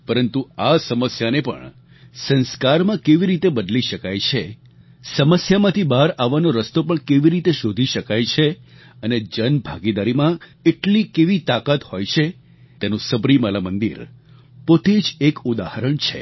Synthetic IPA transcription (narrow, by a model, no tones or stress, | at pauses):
pəɾənt̪uasəməsjanepə̰ɳ | sə̃nskaɾmãkeʋiɾit̪ebəd̪liʃəkajt͡ʃʰe | səməsjamãt̪ʰibaɾaʋːanoɾəst̪opəɳkeʋiɾit̪eʃod̪ʱiʃəkajt͡ʃʰe | əned͡ʒənbʱaɡid̪aɾimãeʈlikeʋit̪akat̪hojt͡ʃʰe | t̪enũsəbɾimalamənd̪ḭɾ | pot̪ed͡ʒekud̪ahəɾəɳt͡ʃʰḛ